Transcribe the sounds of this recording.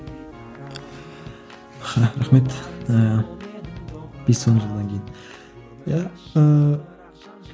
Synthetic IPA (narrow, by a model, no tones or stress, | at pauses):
χɑɾaχmet̪ə | b̥esonʒəlˠd̪ɑŋkʲʰejin | jæə